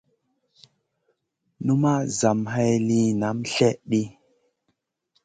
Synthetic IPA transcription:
nu˦ma˦za˨mɦa˦jli˦na˨˦mɬɛ˦ʔɗi˦

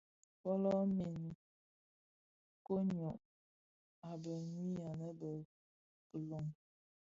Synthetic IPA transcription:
pɔ˦lɔ˦mi˨n˨ | ko˦ɲɔ˨ʔ | a˨bə˨nwi˦a˨nə˦bə˨ | lo˨ŋ

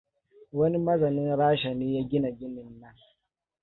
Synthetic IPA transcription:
wɐ˦ni˦mɐ˦zɐ˨nɪ˦ŋɾaː˦ʃa˨neː˦jaː˦ɡʲɪ˦na˨ɡʲɪ˦nɪ˨nːɐ˦ŋ

